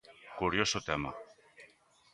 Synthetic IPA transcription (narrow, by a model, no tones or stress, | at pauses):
kuɾjosot̪ema̰